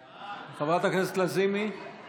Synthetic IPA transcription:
χavʁat̪akneset̪lazimi

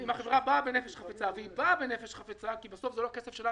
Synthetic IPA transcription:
imaχevʁababenefeʃχafet͡saveibabe̞nefeʃχafet͡sakibaso̞fzelokesefʃela

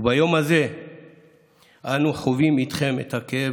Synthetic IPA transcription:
bajo̞maze̞ | anuχovimit̪χe̞mḛthakee

